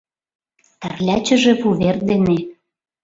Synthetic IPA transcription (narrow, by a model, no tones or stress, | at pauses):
t̪ærlʲæt͡ɕə̆ʒĕpuβerd̪ene